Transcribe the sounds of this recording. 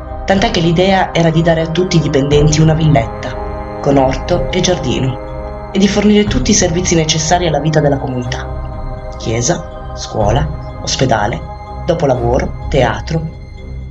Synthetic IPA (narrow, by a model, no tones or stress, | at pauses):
t̪ant̪ɛkːelid̪ɛːaʔɛːɾad̪id̪aːɾeat̪ːut̪ːiːd̪ipend̪ɛnt̪iunavilːet̪ːa | konɔrt̪oed͡ʒard̪ḭːno | ed̪ːiforniːɾet̪ut̪ːiservit̪sːinet͡ʃesːaːɾialːaviːt̪ad̪elːakomunit̪a | k̟jɛːza | skwɔ̰ːla | osped̪a̰ːle | d̪̥ɔːpolavoːɾot̪ea̰ːt̪ɾo